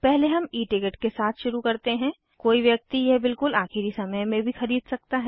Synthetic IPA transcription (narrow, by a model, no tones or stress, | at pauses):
pɛɦleɦɐmiːʈɪɡəʈkesaːt̪ʰʃʊɾukɐɾt̪eɦɛ̃ː | koːiʋjɐk̚t̪ijɛbɪlkʊlaːxɪɾisɐməjmẽbʱixɐɾiːd̪sɐk̚t̪aɦɛ